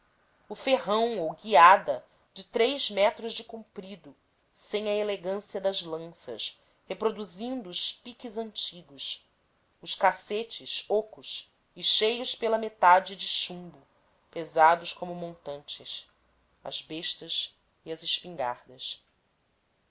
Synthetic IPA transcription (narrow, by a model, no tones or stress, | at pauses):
ʊfeɦɐ̃w̃owɡiad̪ɐ | d͡ʒɪt̪ɾejzmɛt̪ɾʊzd͡ʒɪkũmpɾid̪ʊ | sẽj̃ɐeleɡɐ̃siɐd̪ɐzlɐ̃sɐ̰s | hepɾod̪uzĩnd̪ʊːʃpikizɐ̃nt͡ʃiɡʊʃ | ʊʃkaset͡ʃɪʃokʊʃ | ɪʃejʊspelɐmet̪ad͡ʒɪd͡ʒɪʃũmbʊ | pezad̪ʊskõmʊmõnt̪ɐ̃nt͡ʃɪs | ɐ̰zbeʃt̪ɐs | iɐzɪʃpĩŋɡa̰ɾd̪ɐs